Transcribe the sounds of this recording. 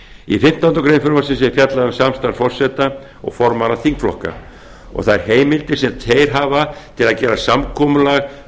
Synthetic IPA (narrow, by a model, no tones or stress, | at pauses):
ifɪm̥t̪aʏnt̪ɔkɾejnfʏɾmasɪnsɛfjat̪laðʏmsamst̪aɾfɔr̥sɛt̪a | ɔ̰ɣfɔɾmanaθiŋkflɔ̰hka̰ | ɔ̰ɣθaðɛɾheːjmɪlt̪ɪ̥sɛmt̪ʰeːjɾ̥ɦaːvat̪ʰɪlaðcɛːɾasamkʰɔmʏlaɣ